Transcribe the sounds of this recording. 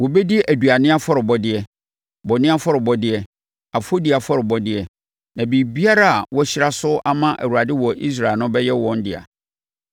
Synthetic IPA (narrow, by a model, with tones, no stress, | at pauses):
wɔ˨be˦di˦ʔæ˨du˨a˨nɪ̃˦a˦fɔ˦ɾɪ˨bɔ˦dɪ˦ɛ˨ | bɔ˨nɪ̃˦a˦fɔ˦ɾɪ˨bɔ˦dɪ˦ɛ˦ | a˨fo˦di˨a˨fɔ˦ɾɪ˨bɔ˦dɪ˦ɛ˨ | nã˨biː˨bi˦a˦ɾa˦a˨wɔ˦ɕi˦ɾa˦sʊ˦ʔa˦mã˦ʔæ̰˨wu˨a˨dɪ˦wɔ˨ʔḭ˦s̬ɾa˨ɪ˨nʊ̃˦bɛ˦jɛ˦wɔ̃˦n˦dɪ˨a̰˨